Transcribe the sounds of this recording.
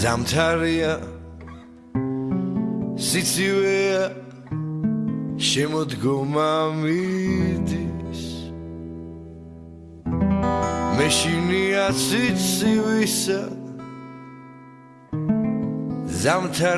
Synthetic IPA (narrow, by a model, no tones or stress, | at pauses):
zamt̪ʰaɾia | sit̪sʰivɛa | ʃɛmɔd̪ɡɔmamid̪is | mɛʃiniasʰit̪ssʰivisa | zamt̪ʰa